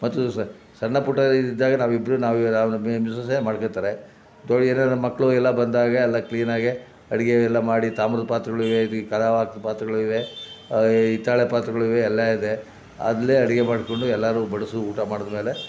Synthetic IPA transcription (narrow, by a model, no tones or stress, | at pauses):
mɐt̪ːu | sɐnːɐpuʈːɐid̪id̪ːaːɡɐnaːʋuibɾunaːʋnaːmisɐs̬emaːɽkot̪ːaːɾe | d̪oɭeːnemɐkːɐɭuɛlːɐbɐnd̪aːɡɐɛlːɐkliːnaːɡe | ɐɽiɡeɛlːɐmaːɽit̪aːmɾɐd̪̚paːt̪ɾɐɡɐɭiʋeid̪kɐlaʋaːk̪paːt̪ɾɐɡɐɭuiʋe | it̪ːaːɭepaːt̪ɾɐɡɐɭiʋeɛlːɐid̪e̞ | a̰ːd̪ɐlːeɐɽiɡemaːɽkoɳɖuɛlːaːɾubɐɽɐsuuːʈamaːɽɔd̪ɐme̞ːle̞